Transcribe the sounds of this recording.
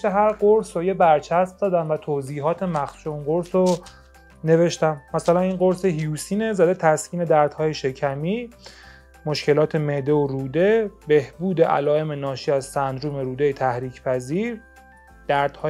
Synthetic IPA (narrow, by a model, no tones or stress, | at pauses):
eɦæɾɢoɾsojebæɾt͡ʃʰæsmd̪ɒːd̪æmvæt̪ʰoːziːɦɒːt̪ʰemæxuʃounɢoɾso | ne̞ve̞ʃt̪æmːæsælæninɢo̞ɾseɦijuːsiːne̞zæd̪e̞t̪ʰæscʰʲiːne̞d̪æɾd̪̥hɒːjeʃe̞cʰæmiː | mo̞ʃce̞lɒːt̪ʰe̞me̞d̪e̞oɾuːd̪e̞be̞hbuːd̪e̞ʔæ̰lɒːe̞menɒːʃiːæzsænd̪ɾuːme̞ɾuːd̪ejet̪ʰæhɾiːcʰpʰæziːɾ | d̪̥æɾd̪̥hɒː